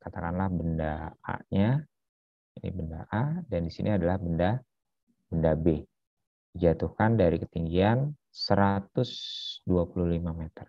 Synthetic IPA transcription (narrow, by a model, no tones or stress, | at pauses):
kat̪akanlahbəndaa̰ɲa | inḭbəndaʔadandisinʔiadalahbənda | bəndabe | did͡ʒat̪uhkandaɾikət̪iŋɡian | səɾat̪ʊsduapuluhlimamet̪ər